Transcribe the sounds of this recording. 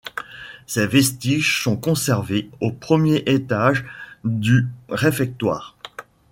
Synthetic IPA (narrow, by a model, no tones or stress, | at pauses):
sɛvɛst̪iʒsɔ̃kɔ̃sɛʁveopχəmjeʔet̪aʒd̪yʁefɛk̚t̪wa̰ːʁ